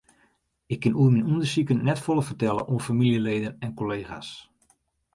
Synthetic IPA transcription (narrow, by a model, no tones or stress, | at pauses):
ɪkʰːɪnuəminundərsikənːɛtfolˠəfərtɛlˠə̰ʔuəfamiljəleːdənɛnkoleːxa̰s